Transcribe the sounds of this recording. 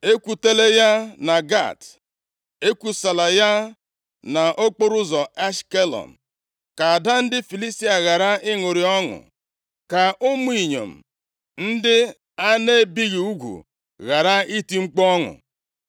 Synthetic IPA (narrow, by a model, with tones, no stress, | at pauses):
e˦kʷu˨te˦le˦ja˦na˨ɡa̰˦˨t | e˦kʷu˨sa˨la˨ja˦ | na˨ʔo˦k͡po˦ɾʊ˦zɔ˨a˦ʃke˦lɔ̰˨m̩˨ | ka˨a˨da˦n̩˦dɪ˦fi˨li˦sti˦a˨ɣa˨ɾa˦ɪ˦ŋo˨ɾi˨ɔ˦ŋʊ̰˨ | ka˨ʔʊ˦m˦i˨ɲo̰˨m̩˨ | n̩˦dɪ˦ | a˦ne˦bi˦ɣi˨u˦ɡʷṵ˨ | ɣa˨ɾa˦i˦ti˦ŋ͡m̩˦k͡pɔ˦ŋʊ̰˨